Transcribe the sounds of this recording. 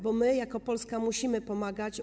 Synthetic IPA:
bɔmɘjakɔpɔlskamuɕimɘpɔmaɡat͡ɕ

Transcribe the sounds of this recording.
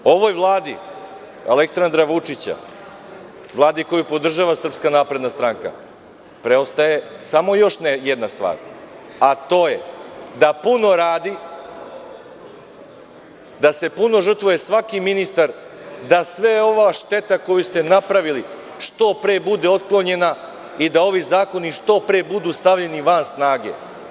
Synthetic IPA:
o̞ʋojʋlˠaːd̪i | a̰leksand̪ɾaʋut͡ʂit͡ɕa̰ | ʋlˠaːd̪iko̞jupo̞d̪r̩ʒaːʋasr̩pskanaːpɾe̞d̪nast̪ɾaŋka̰ | pɾeo̞st̪aje̞samo̞jo̞ʃnejed̪nast̪ʋa̰ːɾ | at̪o̞ːjed̪apuno̞ɾaːd̪i | d̪ase̞puno̞ʒər̩t̪ʋuje̞sʋakiminist̪aɾd̪asʋeo̞ʋaʃt̪e̞t̪ako̞just̪e̞napɾaʋili | ʂt̪o̞pɾeːbud̪eo̞t̪klˠo̞ɲe̞na | id̪ao̞ʋizaːko̞niʂt̪o̞pɾeːbud̪ust̪aʋʎe̞niʋansnaːɡe̞̰

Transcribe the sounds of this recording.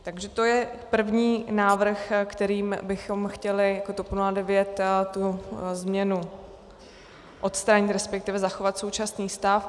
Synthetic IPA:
t̪aɡʒɛt̪o̞jɛpr̩vɲiːnaːvr̩xkt̪ɛɾiːmbɪxo̞mxcɛlɪjako̞t̪opnuladɛvjɛt̪t̪uzmɲɛnu | ʔo̞t̪st̪ɾaːɲɪt̪ɾɛspɛk̚t̪ɪvɛzaxo̞vat̪so̞wt͡ʃasniːst̪af

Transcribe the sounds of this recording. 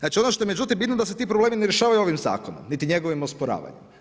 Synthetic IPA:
at͡ʃio̞noʃt̪oemed͡ʒut̪iembit̪nod̪aset̪iːpɾoble̞ːmineɾjeʃaːʋajuo̞ʋimza̰ːkono̰mnit̪iɲe̞ɡoʋimospoɾa̰ːʋa̰ɲḛmm

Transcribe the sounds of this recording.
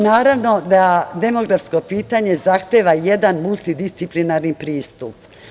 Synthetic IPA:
naːɾaʋno̞d̪ad̪e̞mo̞ɡɾafsko̞piːt̪aɲe̞zaxt̪eːʋaje̞d̪anmulˠt̪id̪ist̪siplinaɾnipɾiːst̪up

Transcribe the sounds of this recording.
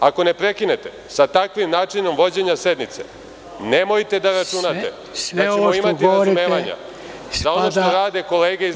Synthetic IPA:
ako̞ne̞pɾe̞kine̞t̪e̞ | sat̪akʋimnaːt͡ʂino̞mʋo̞d͡ʑe̞ɲase̞d̪nit̪se̞̰ | ne̞mo̞jt̪e̞d̪aɾat͡ʃunat̪ḛ | at͡ʃemoimat̪iɾazumeːʋaɲa̰ | zaonoʃt̪oɾaːd̪e̞ko̞leːɡeiz

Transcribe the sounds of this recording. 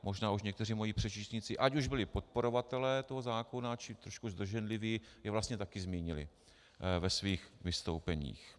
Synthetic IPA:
mʔo̞ʒnaːuʃɲɛkt̪ɛriːmo̞jiːpr̝̥ɛt͡ʃiːst̪ɲɪt͡sɪʔacuʒbɪlɪpo̞t̪̚po̞ɾo̞vat̪ɛlɛːt̪o̞ɦozaːkonat͡ʃɪt̪ɾoʃkuzd̪r̩ʒɛnlɪviːjɛvlast̪ɲɛt̪akɪzmiːɲɪlɪ̰ | vɛsviːxvɪst̪owpɛɲḭːx

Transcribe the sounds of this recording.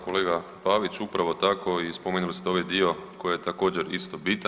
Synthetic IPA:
ko̞le̞ːɡapaʋit͡ɕupɾaʋo̞t̪ako̞ispomenulist̪eo̞ʋajd̪io̞ko̞jejet̪ako̞ːd͡ʑeɾist̪o̞bit̪

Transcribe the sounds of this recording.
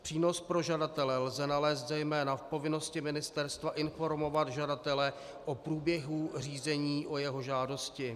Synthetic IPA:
pr̥iːno̞spɾo̞ʒadat̪ɛlɛlzɛnalɛːs̬t̪zɛjmɛːnafpo̞vɪno̞scɪmɪnɪst̪ɛɾst̪vaʔɪnfo̞ɾmo̞vad̪ʒadat̪ɛlɛ | ʔopɾuːbjɛɦur̝iːzɛɲiːʔo̞jɛɦo̞ʒaːdo̞scɪ

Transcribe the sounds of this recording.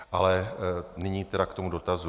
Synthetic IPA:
ʔalɛnɪɲiːt̪ɛɾakt̪o̞mudo̞t̪azu

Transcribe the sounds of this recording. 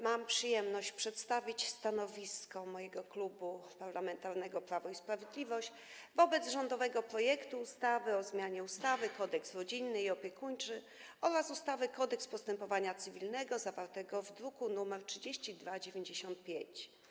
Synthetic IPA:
mampʂɘjɛmnɔɕt͡ɕpʂɛt̪st̪avʲit͡ɕst̪anɔvʲiskɔmɔjɛɡɔklubupaɾlamɛnt̪aɾnɛɡɔpɾavɔispɾavʲjed̪lʲivɔɕt͡ɕ | vɔbɛd̪zʐɔnd̪ɔvɛɡɔpɾɔjɛkt̪uːst̪avɘɔzmʲjaɲɛust̪avɘkɔd̪ɛksɾɔd͡ʑinːɘiɔpʲjɛkuɲt͡ʂɘ | ɔɾasust̪avɘkɔd̪ɛkspɔst̪ɛmpɔvaɲat̪sɘvʲilnɛɡɔzavaɾt̪ɛɡɔvd̪ɾukunumɛɾtʂɘd͡ʑeɕt͡ɕid̪vad͡ʑevʲeɲd͡ʑeɕɔnt̪̚pʲjeɲt͡ɕ

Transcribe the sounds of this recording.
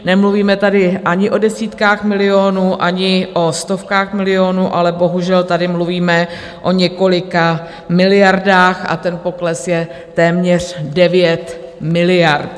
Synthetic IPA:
nɛmluviːmɛt̪adɪʔaɲɪʔo̞dɛsiːt̪kaːxmɪlɪonuːʔaɲɪʔo̞st̪o̞fkaːxmɪlɪo̞nuʔalɛbo̞ɦuʒɛlt̪adɪmluviːmɛ | ʔo̞ɲɛko̞lɪka | mɪlɪjaɾdaːxa̰t̪ɛnpo̞klɛsjɛ | t̪ɛːmɲɛr̝̥dɛvjɛt̪mɪlɪjaɾt̪

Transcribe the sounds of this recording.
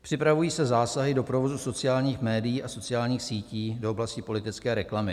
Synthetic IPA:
pr̥ɪpɾavujiːsɛzaːsaɦɪdo̞pɾovo̞zuso̞t͡sɪjaːlɲiːxmɛːdɪjiːʔaso̞t͡sɪaːlɲiːxsiːciːdo̞ʔoblascɪpo̞lɪt̪ɪt͡skɛːɾɛklamɪ

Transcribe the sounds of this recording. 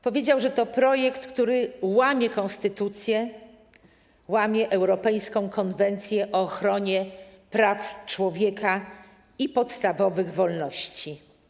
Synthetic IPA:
pɔvʲjed͡ʑawʐɛt̪ɔpɾɔjɛkt̪kt̪uɾɘwamʲjɛkɔ̃nst̪ɘt̪ut̪sʲjɛ | wamʲjɛʔɛwɾɔpɛjskɔ̃w̃kʰɔnvɛnt̪sʲjɛʔɔːxɾɔɲɛpɾaft͡ʂwɔvʲjɛka | ipɔt̪st̪avɔvɘɣvɔlnɔɕt͡ɕi

